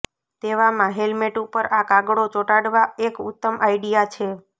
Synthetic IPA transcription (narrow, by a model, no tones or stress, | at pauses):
t̪eʋamãɦelmeʈupəɾakaɡɽot͡ʃoʈaɽʋaekʊ̰t̪ːəmʔaiɖijat͡ʃʰe